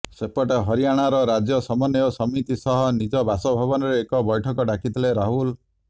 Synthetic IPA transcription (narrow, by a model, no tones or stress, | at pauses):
sepɔʈaɦɔɾijaɽ̃aɾɔɾad͡ʒjɔsɔmɔnjɔsɔmit̪isɔɦɔnid͡ʒɔbasɔbʱabɔnɔɾeːkɔbɔjʈʰɔkɔɖakʰit̪ʰileɾaɦul